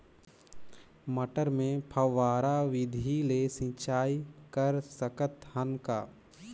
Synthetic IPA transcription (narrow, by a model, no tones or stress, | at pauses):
məʈəɾmẽpʰəʋaːɾaʋɪd̪ʱilesĩt͡ʃaːikəɾsəkət̪hənka̰ː